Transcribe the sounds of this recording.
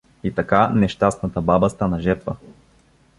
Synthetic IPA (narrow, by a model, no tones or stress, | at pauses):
it̪ɐkanɛʃt̪asnɐt̪əbabəst̪anɐʒɛɾt̪və